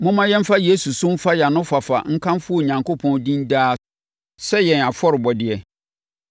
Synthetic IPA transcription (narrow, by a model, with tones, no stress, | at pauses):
mʊ̃˦mã˦jɛ̃˦m̩˦fa˦je˦su˨sʊ̃˦m̩˦fa˦jɛ˨a˨nʊ̃˦fa˨fa̰˨ŋ̩˦kʰã˦mfʊ˦ɔ˨ɲã˨ŋko˦pʰɔ̃˦ndĩ˦ndaː˦ | sɛ˦jɛ̃˨na˨fɔ˦ɾɪ˨bɔ˨dɪ˨ɛ˨